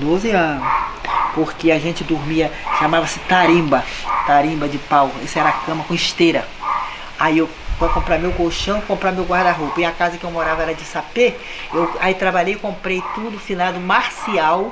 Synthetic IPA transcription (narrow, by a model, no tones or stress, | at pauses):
d̪ozɪɐ̃nʊpoɾkɪaʒẽnt͡ʃɪd̪uɾmiɐʃamavɐsɪ̥t̪aɾĩbɐt̪aɾĩbɐd͡ʒɪpawḛsɪɛɾɐakɐ̃mɐkõiʃt̪eɾɐ | aiew | põkõmpɾamewɡoʃɐ̃w̃ɪkõmpɾamewɡwaɾd̪aɦopɐɪakazɐkɪewmoɾavɐɛɾɐd͡ʒɪsape | ewait̪ɾabaʎejɪkõpɾejt̪ud̪ʊfinad̪ʊmaɾsiaw